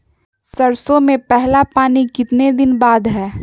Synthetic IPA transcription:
sɐɾsõmẽpɛɦlapaːnikɪt̪ned̪ɪnbaːd̪ɦɛː

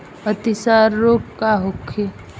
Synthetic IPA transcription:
ət̪ɪsaːɾːoːkkaɦokʰːe

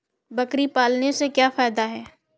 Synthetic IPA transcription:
bɐkɾipaːlnesekjaːfaːɪd̪aɦɛː

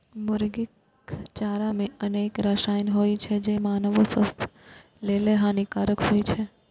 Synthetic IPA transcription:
mʊɾɡɪk | t͡ʃaːɾamẽɐneːkɾaʃaːjnɦoːit͡ʃʰed͡ʒemaːnəʋosəst̪ʰ | leːleɦãnikaːɾəkɦoːit͡ʃʰe

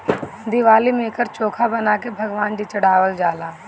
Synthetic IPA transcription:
d̪iʋaːlimẽkəɾt͡ʃoːkʰabɐnaːkebʱɐɡʋaːnd͡ʒit͡ʃəɽ̤aːʋəld͡ʒaːlaː

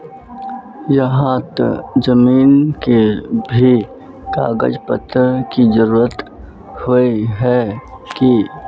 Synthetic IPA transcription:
jɐɦãt̪ə̰d͡ʒəmiːnkebʱi | ka̰ːɡə̰d͡ʒpət̪ːəɾkizəɾuːɾət̪ | hoiɦɛki

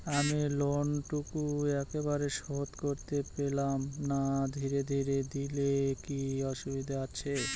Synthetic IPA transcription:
amilonʈukuɛkebaɾeʃɔɦot̪koɾt̪epelamnad̪ʱiɾed̪ʱiɾed̪ilekiɔʃubid̪ʱaat͡ɕʰe

